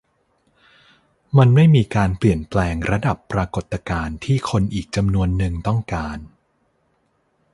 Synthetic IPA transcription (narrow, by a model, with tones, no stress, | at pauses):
ma˧nma˥˩jmiː˧kaː˧npli˨˩ənplɛː˧ŋɾa˧da˨˩pːɾa˧ko˨˩t̪ːa˧kaː˧nt̪ʰiː˥˩kʰo˧nʔiː˨˩k̚t͡ɕa˧mnu˧ənːɯ˧ŋt̪ɔ˥˩ŋkaː˧n